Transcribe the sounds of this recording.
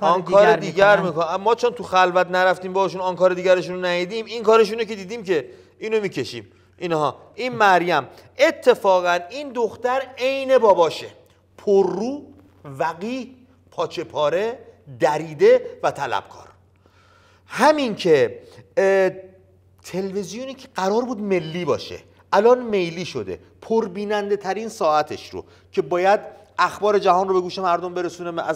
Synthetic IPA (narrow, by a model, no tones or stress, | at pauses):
ɒnkʰɒːɾed̪iːɡæɾmikmɒːt͡ʃʰont̪ʰuxælvæt̪næɾæft̪iːmbɒhʃ̬unɒnkɒːɾe̞d̪iːɟæɾeʃ̬unonæjid̪iːminkɒːɾeʃ̬unoce̞d̪iːd̪iːmce̞ | iːnomiːce̞ʃḭːm | ʔinhɒː | ʔiːnmæɾjæm | ʔe̞t̪ʰːe̞fɒːɣæniːnd̪oxt̪æɾe̞jne̞bɒːbɒːʃe | pʰoɾːuː | væɣiːh | pʰɒːt͡ʃʰe̞pʰɒːɾe̞d̪æɾiːd̪e̞væt̪ʰælæ̰b̥̚kʰɒ̰ːɾ | hæmincʰe̞ | t̪ʰelvezijoniːcʰeɢæɾɒːɾbuːd̪me̞lːiːbɒ̰ːʃḛ | ælɒːnme̞jliːʃod̪e̞̰ | pʰoɾbiːnænd̪e̞t̪ʰæɾiːnsɒːæt̪ʰeʃɾo̰ | cʰe̞bɒːjæd̪ | æxbɒːɾe̞d͡ʒæɦɒːnrobe̞ɡuːʃe̞mæɾd̪ombe̞ɾesuːne